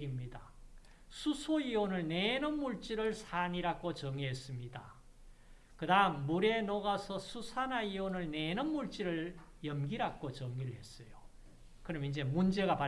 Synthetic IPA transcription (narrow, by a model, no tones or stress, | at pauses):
imɲida | sʰusʰoionɯɭnenɯnmuɭt͡ɕ͈iɾɯɭsʰaɲiɾak͈ot͡ɕʌŋiɦes͈ɯmɲida̰ | kɯdaɯmːuɾe̞noɡasʰʌsʰusʰanaionɯɭnenɯnmuɭt͡ɕ͈iɾɯɭ | jʌmɡiɾak̚k͈ot͡ɕʌŋiɾɯɭɦe̞s͈ʌjo | kɯɾʌmind͡ʑe̞mund͡ʑe̞ɣapa